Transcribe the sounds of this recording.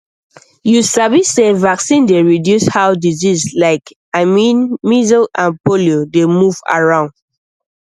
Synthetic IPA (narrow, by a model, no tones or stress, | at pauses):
jusavisevaksĩndeɹidjushaʊdizizlaɪk | amĩnmizɔlãnpoliodemuva̰ɹãʊ̃nd